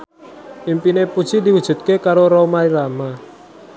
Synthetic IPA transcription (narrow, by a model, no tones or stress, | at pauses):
impinepud̥ʒ̥id̪iwud̥ʒ̥ṳt̪̚kekaɾoɾomaiɾama